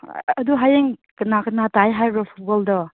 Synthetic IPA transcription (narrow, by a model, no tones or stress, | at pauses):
ɐduɦajeŋkɯnakʰɯnatajɦajɾɔpʰuɡɔldɔ